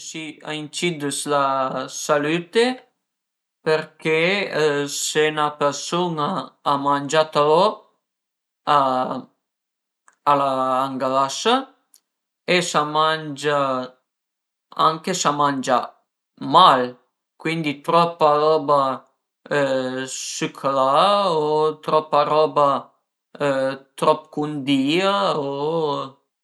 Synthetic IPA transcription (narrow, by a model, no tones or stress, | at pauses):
sia̰int͡ʃid̪uslasalyt̪e | peɾke | senapeɾsunaːmand͡ʒat̪alɔ | a | laːŋɡalasa | esamand͡ʒa | a̰ŋkesamand͡ʒa̰ | mal | kwind̪it̪ɾɔpːaɾɔːba | sykʰlaot̪ɾɔpːaɾɔːba | t̪ɾɔpːkund̪iːao